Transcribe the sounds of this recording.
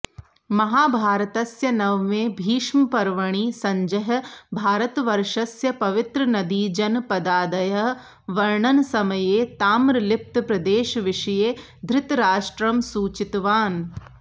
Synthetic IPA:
mɐɦaːbʱaːɾɐt̪ɐsjɐnɐʋʋeːbʱiːʃmɐpɐɾʋɐɳ̃iːsɐ̃ɲd͡ʒɐɦɐbʱaːɾɐt̪ʋɐɾʃɐsjɐpɐʋɪt̪ɾɐnɐd̪iːd͡ʒɐnpɐd̪aːd̪ɐjɐ | ʋɐɾɳɐnsɐmɐjeːt̪aːmɾɐlɪp̚t̪pɾɐd̪eːʃɐʋɪʃɐjeː | d̪ʱɾɪt̪ɾaːʃʈɾɐmsuːt͡ʃɪt̪ʋaːn

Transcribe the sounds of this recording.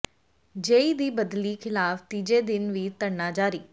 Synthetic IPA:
d͡ʒeːiːd̪iːbəd̪liːkʰɪlaːft̪iːd͡ʒeːd̪ɪnʋiːt̪əɳnaːd͡ʒaːɾiː

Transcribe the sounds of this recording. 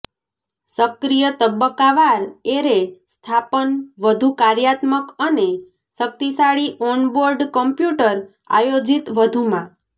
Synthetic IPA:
səkɾijət̪əbːəkːaʋaɾeɾest̪ʰapənʋəd̪ʱukaɾjat̪məkəne | sək̚t̪isaɭiʔɔnboɾɖkəmpjuʈəɾ | a̰jod͡ʒit̪ʋəd̪ʱumã

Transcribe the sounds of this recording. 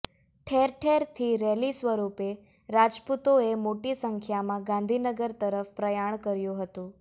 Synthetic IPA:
ʈʰeɾʈʰeɾt̪ʰiɾɛlisʋəɾupe | ɾad͡ʒput̪oemoʈisəŋkʰjamãɡãnd̪ʱinəɡəɾt̪əɾəfpɾəjaɳkəɾjũɦət̪ũ

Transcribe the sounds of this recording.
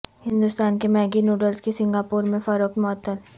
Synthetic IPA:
hɪ̃nd̪ʊst̪aːnkemɛːɡinjuːɖəlskesɪ̃ŋɡaːpuːɾmẽfɐɾoːkmɔːət̪ːəl

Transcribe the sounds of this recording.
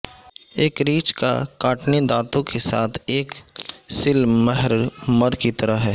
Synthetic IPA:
eːkɾiːt͡ʃka̰kaːʈnid̪aːt̪õkesaːt̪ʰeːksɪlmɛɦəɾməɾkit̪ɐɾəɦɦɛː

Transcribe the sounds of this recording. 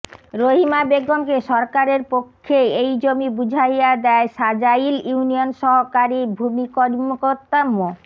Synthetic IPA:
ɾoɦimabeɡomkeʃɔɾkaɾeɾpokʰːeejd͡ʑomibud͡ʑʱajjad̪ɛeʃad͡ʑailuunionʃɔɦokaɾibʱumikɔɾmokoɾt̪ːamːo

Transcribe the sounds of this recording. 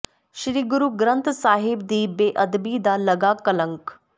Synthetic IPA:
ʃɾiːɡuɾuɡɾənt̪ʰsaːɦibd̪iːbeːʔɐd̪bid̪alɐɡaːkɐləŋk

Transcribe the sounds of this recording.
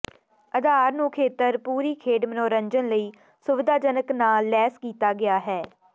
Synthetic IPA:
əd̪ʱaːɾnũːkʰeːt̪əɾpuːɾiːkʰeːɖmənoːɾəɲd͡ʒənləiː | sʊʋɪd̪aːd͡ʒənəknaːlːɛːskiːt̪aːɡɪaːɦɛː

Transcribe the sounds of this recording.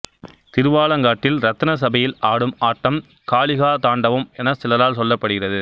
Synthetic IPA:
t̪ɪɾɯʋaːlɐŋɡaːʈːɪlɾɐt̪ːɐnɐs̬ɐbɐjɪlaːɽɯmaːʈːɐm | kaːɭɪɣaːt̪aːɳɖɐʋɯmɛnɐsɪlɐlaːlsɔlːɐpːɐɽɯɣɪrɐðɯ

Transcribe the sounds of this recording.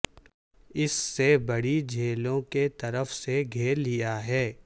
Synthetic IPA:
ɪsːebɐɽid͡ʒʱeːlõket̪ɐɾəfseɡʱeːɾlijaɦɛː

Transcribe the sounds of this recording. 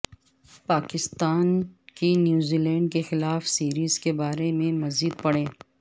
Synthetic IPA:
paːkɪst̪aːnkinjuːziːlɛ̃ːɳɖ̚kexɪlaːfsiːɾiːz̥kebaːɾemẽmɐziːd̪̚pɐɽẽː

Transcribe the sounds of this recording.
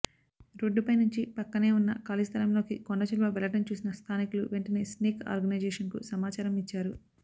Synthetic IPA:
ɾoɖːupɐjnuɲt͡ʃipɐkːɐne̞ːunːɐ̰kaːlist̪ʰɐlɐmlo̞ːkikoɳɖɐt͡ʃɐlʋɐʋɛlɐʈɐmt͡ʃuːsinɐst̪ʰaːnikuluʋeɳʈɐneːsniːka̰ːɾɡɐnɐjd͡ʒeːʂɐnkṵsɐmaːt͡ʃaːɾɐmit͡ʃːaːɾu

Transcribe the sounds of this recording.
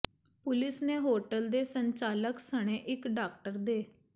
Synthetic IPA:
pʊlɪsneːɦoːʈəld̪eːsəɲt͡ʃaːləksəɽ̃eːʔɪkɖaːk̚ʈəɾd̪eː

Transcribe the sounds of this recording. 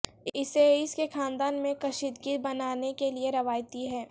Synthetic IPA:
ɪseɪskexãːnd̪aːnmẽkɐʃit̪ɡit̪bɐnaːnekelieɾɐʋaːjt̪iɦɛː

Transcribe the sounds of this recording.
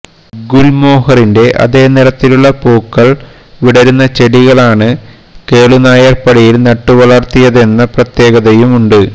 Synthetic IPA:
ɡulmo̞ːɦɐrinde̞ʔɐ̰ðe̞ːniɾɐt̪ːiluɭːɐpoːkːɐɭ | ʋiɽɐɾunːɐt͡ɕeɽiɣɐɭaːɳɨ | ke̞ːɭunaːjɐrpɐɽɐjilnɐʈːuʋɐɭɐrt̪ijɐðe̞nːɐprɐt̪je̞ːɡɐðɐjumuɳɖɨ

